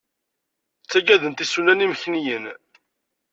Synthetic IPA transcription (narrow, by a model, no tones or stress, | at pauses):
t͡sːæɡæðənt̪isunæniməçnijən